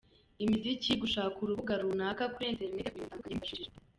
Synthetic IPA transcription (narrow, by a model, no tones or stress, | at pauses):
imiziciɡuʃakuɾuβuɡaɾunaːkakuɾienteɾinetitaŋɡaɲimaʃiiɾa